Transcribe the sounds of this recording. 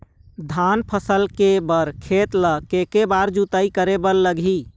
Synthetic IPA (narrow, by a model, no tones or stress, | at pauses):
d̪ʱanpʰəsəlkebəɾkʰet̪ləkekebaɾd͡ʒut̪əikəɾebəlːəɡʱi